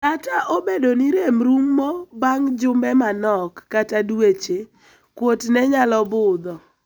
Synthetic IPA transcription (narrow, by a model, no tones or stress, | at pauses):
nataʔobedoniɾemɾumːɔbaŋd͡ʒʊmbɛmanɔkːatadwet͡ʃe | kwotnɛɲalɔbʊd̪ɔ